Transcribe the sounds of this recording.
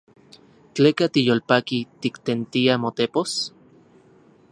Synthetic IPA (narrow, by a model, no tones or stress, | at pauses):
t͡ɬeːkat̪ijolpakit̪ikt̪ent̪iamot̪epos